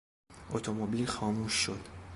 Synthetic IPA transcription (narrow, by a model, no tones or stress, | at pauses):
ʔot̪ʰomobilxɒːmuːʃːo̞d̪̥